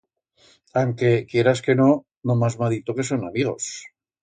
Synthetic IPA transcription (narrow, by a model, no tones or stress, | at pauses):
aŋke̞kje̞ɾaske̞no̞ | nomazmaðit̪oke̞s̬o̞namiɣo̞̰s